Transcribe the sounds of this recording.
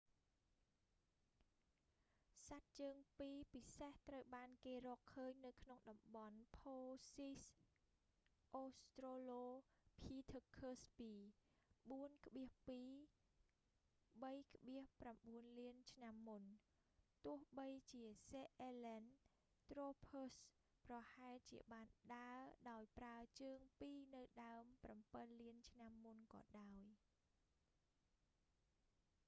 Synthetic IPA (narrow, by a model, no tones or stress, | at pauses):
sat̪̚t͡ɕəːŋpiːpiseht̪rəwɓaːnkeːrɔːkʰːəːɲnɨwkʰnoŋɗɑmɓɑnpʰoːsis | ʔoːst̪roːloːpʰiːt̪ʰəkʰːəːspiː | ɓuənkʰə̆ɓiəhpiː | ɓəjkʰə̆ɓiəhpramɓuənliənt͡ɕʰnamːun | t̪ʊ̆əhɓəjt͡ɕiəseːʔeːlɛn | t̪roːpʰoːs | prɑhaɛlt͡ɕiəɓaːnɗaəɗaɔjpraət͡ɕəːŋpiːnɨwɗaəmprampənliənt͡ɕʰnamːunkɑ̰ːɗaɔj